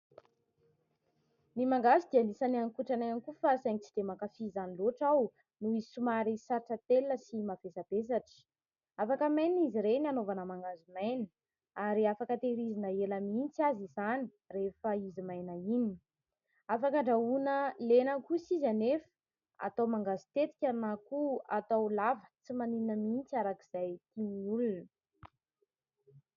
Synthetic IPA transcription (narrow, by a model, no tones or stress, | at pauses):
nimaŋɡazid̪ianisanianikuʈ͡ʂanaanikufasajnit͡sid̪̥emakafizaniloʈ͡ʂaw | nuisumaɾisaɾaʈ͡ʂət̪elːəsimavesab̥es̬aʈ͡ʂə̥ | afakəmajniziɾenianovanəmaŋɡazumajnə | aɾiafakət̪eɾizinəelamint͡siazizani̥ | refəizimajnaini̥ | afakəɳɖ͡ʐaunəlenəkusizanef | a̰t̪awmaŋɡazi̥t̪et̪i̥kʲanakuat̪awlavə̥t͡simaniinəmint͡siaɾaki̥z̥ajt̪imiulunə